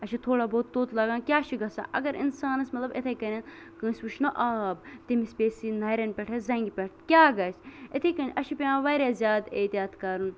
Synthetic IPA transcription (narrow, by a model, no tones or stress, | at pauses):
ɐʃʰit̪ʰoːɽaːboːt̪t̪ːoːt̪lɐɡãːkʲjaːʃʰiɡɐsa̰ːʔɐɡɐɾḭnsaːnɐsmɐt̪lɐbɪt̪ʰekɐɾʲɐn | kɨ̃ːsʲʋuʃnɐʔaːbt̪imispʲeːsinɐːɾɐnpʲɛʈʰezɐ̃ŋɡipʲɛʈʰkʲaːɡɐsɪt̪ʰekɐnʲʔɐʃʰipʲeãːʋɐːɾʲaːzʲjaːd̪eːt̪iaːt̪kɐɾun